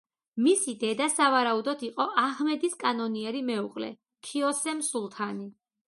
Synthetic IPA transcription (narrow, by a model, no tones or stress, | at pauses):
misid̪ɛd̪asavaɾaud̪ɔd̪iqʼɔʔaʁmɛd̪iskʼanɔniɛɾimɛuqʼlɛ̰ | kʰiɔsɛmsulˠt̪ʰani